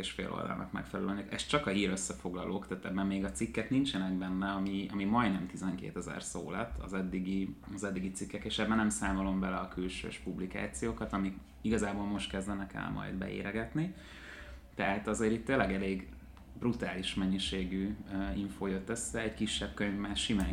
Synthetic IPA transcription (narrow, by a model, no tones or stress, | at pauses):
eːʃfḛːlʔo̰ld̪ɒ̰lnɒ̰kmɛ̰kfɛlɛlønykɛʃt͡ʃɒkɒɦiːɾøsːɛfo̞ɡlɒlʔoːkt̪æːt̪ɛbːɛmːeːɡɒt̪sikːɛknint͡ʃɛnɛɡbɛnːɛɒmiɒmimɒjd̪nɛmt̪izɛŋkḛːt̪ɛzɛ̰rso̰ːlɛt̪ʰːɒ̰zɛd̪ːiɡiɒzɛd̪ːiɡit̪sikːɛkeːʃɛbːɛnɛmsaːmolo̞mbɛlɛɒkylʃø̰ːʃpublika̰ːt̪sijoːkɒt̪ɒmik | iɡɒzaːboːlmo̞ʃt̪̚kɛzd̪ɛnɛkɛ̰lmʔɒ̰jd̪bɛ̰ḛːɾɛɡɛt̪ni | t̪ɛɦat̪ɒzeːɾit̪ːeːlːɛɡɛleːɡ | brut̪aːliʃmɛɲːiʃeːɡyːiɱfoːjøt̪ːøsːɛːckiʃːɛb̚køɲvmaːʃimaː